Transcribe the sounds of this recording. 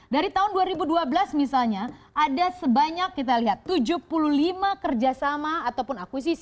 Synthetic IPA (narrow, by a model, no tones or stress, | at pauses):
daɾit̪aɦʊnduaɾibuduabəlasmisalɲaʔadasəbaɲakːit̪̬aliɦat̪ːud͡ʒʊpuluhlimakərd͡ʒasamaːt̪awpʊnakwis̬is